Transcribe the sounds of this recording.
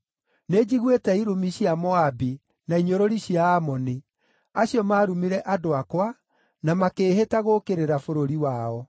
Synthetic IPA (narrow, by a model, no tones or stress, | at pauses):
ned͡ʑiɣwetɛiɾumiɕjamɔabi | naiɲoɾoɾiɕiaːmɔni | aɕjɔmaːɾumiɾɛʔadoakwa | namakeːɦetaɣokeɾeɾafoɾoɾiwaɔ